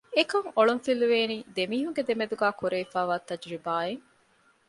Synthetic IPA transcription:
ekɐŋoɭunfiluʋeːniːd̪emiːɦuŋɡed̪emed̪uɡæːkuɾeːfaːʋaːt̪ɐd͡ʒɾibaːeŋ

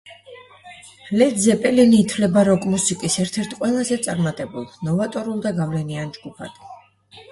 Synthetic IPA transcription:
lɛd̪zɛpʼɛliniːt̪ʰvlɛbaɾɔkʼmusikʼisɛɾt̪ʰɛɾt̪ʰqʼwɛlˠazɛt̪sʼaɾmat̪ʼɛbulˠnɔvat̪ʼɔɾulˠd̪aɡavlɛniand͡ʒɡupʰa̰d̪̥

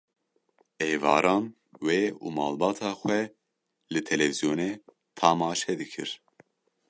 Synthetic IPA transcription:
eːvɑ̰ːɾɑːn | weːṵːmɑːlbɑːt̪ʰɑːxʷɛ | lɨt̪ʰɛlɛvizijoːneː | t̪ʰɑmɑːʃɛd̪ɨkʰɨɾ

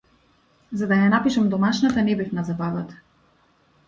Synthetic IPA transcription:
zad̪ajanapiʃamd̪ɔmaʃnat̪anɛbifnazabavat̪ḁ

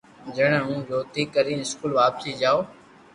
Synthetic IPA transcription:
d͡ʒəɽ̃əɦũːd͡ʒoːt̪ʰiːkəɾĩːnɪskuːlʋaːpsiːd͡ʒaːoː

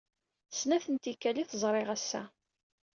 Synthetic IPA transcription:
snæθənt̪ikːæliθəzˤɾˤɪʁæsːæ̰

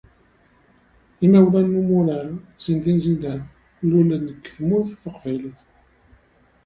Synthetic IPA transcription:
imæwlænːumuɾəɾzind̪inzind̪ən | lulænəkːθmʊɾθfəqvæjləθ

